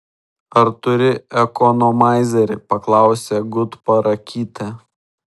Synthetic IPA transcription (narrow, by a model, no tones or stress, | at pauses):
ɐɾt̪ʊɾʲɪɛkɔnoːmɑˑɪzʲɛɾʲɪpɐklˠɑˑʊsʲeːɡʊt̪pɐɾɐkʲiːt̪ʲɛ